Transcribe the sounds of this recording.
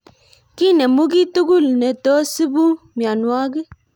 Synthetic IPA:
ki˦nɛ˨mʊ˦ɡi˦tu˦ɡu˦˨lnɛ˨to˦si˦bu˦mja˨nwa˦ɡɪ˦

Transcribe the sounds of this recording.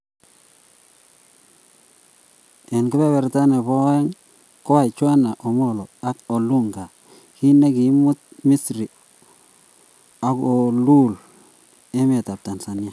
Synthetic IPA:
e˨nkʊ˦be˦be˨ɾta˦ne˨bo˦ɛ˦ŋ | ko˦a˨t͡ʃwa˦na˨ʔo˨mo˦˨lo˨a˦ko˨lu˦ŋɡa˨ | ki˦ne˦ki˨˦mʊ˦t̚mi˦sɾi˨ | a˨ko˨lu˦l | e˦me˨ta˨p̚ta˨nsa˨nja˦

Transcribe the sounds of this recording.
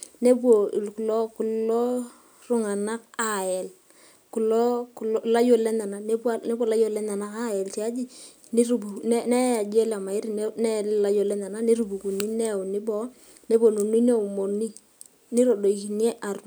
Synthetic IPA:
ne˦bwo˨lkʊ˨lo˦kʊ˨lo˦ | rʊ˨ŋa˨na˦ka˨ɛ˨l | kʊ˨lo˦kla˦jo˦˨le˦na˨na˨ne˦bwa˦ne˦bwo˦˨la˦jo˦lɛ˦na˨na˦ka˦jɛ˨lt͡ʃi˨a˦d͡ʒi˦ | nɪ˦ɾu˦bu˨n˦nɛ˦a˨d͡ʒe˦la˨ma˨ɪ˦ɾi˦n˦nɛ˦la˨˦jo˨le˦na˨na˦ni˦ɾu˨bu˨ku˨ni˦nɛ˦ʊ˨nɪ˦bɔ˦ | ne˦bo˨no˨ni˦ne˦u˨mo˨ni˦ | nɪ˦ɾo˨do˨i˨ki˨ni˦e˦ʔa˨r

